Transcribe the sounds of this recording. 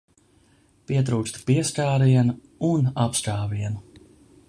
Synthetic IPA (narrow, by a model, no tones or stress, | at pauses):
piɛt̪̬ɾuːt͡ʃt̪piɛstaːɾiɛnu | unapskaːviɛnu